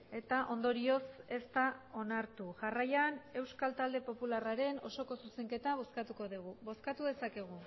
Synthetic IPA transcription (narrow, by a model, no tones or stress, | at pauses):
e̞t̪aʔo̞nd̪o̞ɾio̞se̞st̪ao̞naɾt̪uʝarajane̞wskalt̪ald̪e̞po̞pularaɾe̞no̞so̞ko̞suse̞ŋke̞t̪aβ̞o̞skat̪uko̞ðiɣ̞uβo̞skat̪uðe̞sake̞ɣ̞u